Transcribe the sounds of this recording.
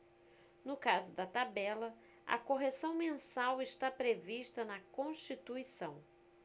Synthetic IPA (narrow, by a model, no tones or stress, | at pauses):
nʊkazʊd̪ɐt̪abɛlɐ | ɐ̰koɦesɐ̃w̃mẽsawɪʃt̪apɾeviʃt̪ɐnɐkõʃt͡ʃit̪uisɐ̃w̃